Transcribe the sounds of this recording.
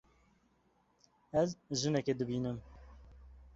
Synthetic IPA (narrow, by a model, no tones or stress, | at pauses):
ɛzʒɨnɛked̪ɨbiːnɨm